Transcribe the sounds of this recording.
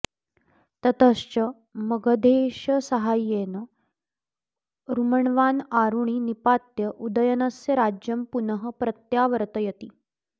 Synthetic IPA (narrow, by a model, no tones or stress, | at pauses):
t̪ət̪əst͡ɕə | məɡəd̪ʱeɕəsəɦajːenə | ɾuməɳʋanaɾuɳ̃inipat̪jəʔud̪əjənasjəɾad͡ʑjəmpunəɦəpɾət̪jaʋəɾt̪əjət̪iː